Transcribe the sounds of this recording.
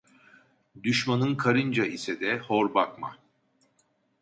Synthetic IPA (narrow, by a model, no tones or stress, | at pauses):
d̪yʃmanɯnkʰaɾɯnd͡ʒaʔisɛd̪ɛhoɾbakma̰